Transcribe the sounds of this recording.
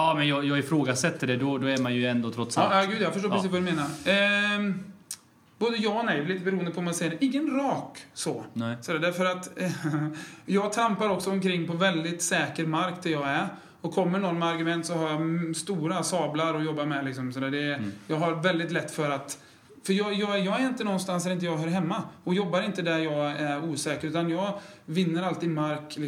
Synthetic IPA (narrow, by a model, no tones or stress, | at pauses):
ɑːmɛnjɑːjɑːɡɪfɾoːɡasɛt̪ːəɖɛd̪ɔd̪ɔæɾmanjɵɛnd̪oːt̪ʰɾɔt̪ːsajɑːɡʉd̪jɑafœʂʈoːpʰɾsiːsvad̪ɵmeːnaɾ | b̥oːd̪əjɑːnɛjvɛliːt̪əbɛɾuːənd̪əpʰɔɔmansɛjːəɾʔɪŋːənɾɑːksoːsɔd̪æːɖæɾfœɾat̪ | jɑːɡt̪ʰɾampaɾɔksɔɔmkʰɾɪŋːpʰɔvɛld̪ɪt̪sɛːkəɾmaɾkd̪ɛjɑːɡæɾ | ɔkʰːɔmːəɳɔnːmɛaɾɡɵmɛnt̪sɔhaɾjɑst̪uːɾasɑːblaɾɔjɔbːaɾmɛlɪks̬ɔmsɔd̪æːɖɛjɑːɡɦaɾvɛld̪ɪt̪lɛt̪ːfœɾat̪ | fœɾjɑjɑːjɑːɡæɾɪnt̪ənɔnːst̪ansd̪ɛɾɪnt̪əjɑːɡɦœːɾɦɛmːaɔjɔbːaɾɪnt̪əd̪æɾjɑːɡæɾuːsɛːkəɾʉːt̪anjɑːɡvɪnːəɾalt̪iːd̪maɾklɪ